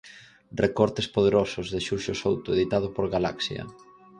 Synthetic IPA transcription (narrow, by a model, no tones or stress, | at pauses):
rekɔɾt̪espoð̞eɾɔsʊzðeʃuʃʊsowt̪ʊeðit̪að̞ʊpoɾɣala̰ksjɐ̰